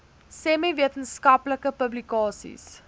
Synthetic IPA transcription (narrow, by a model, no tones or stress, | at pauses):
sɛmiviətənskɐpləkəpəblikɑːsḭs